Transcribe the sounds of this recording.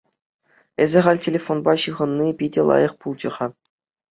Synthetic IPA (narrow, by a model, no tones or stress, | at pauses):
ezʲɘ̆ʁɑlʲtʲelʲefonbɑɕɯʁɤ̆nːipʲidʲĕlˠɑ̰jɤ̆χpulˠd͡ʑɤ̆ʁɑ